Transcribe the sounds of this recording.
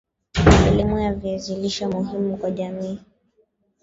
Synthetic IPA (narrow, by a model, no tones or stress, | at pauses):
ɛlimujaviɛziliʃamuɦimukwaʄamiː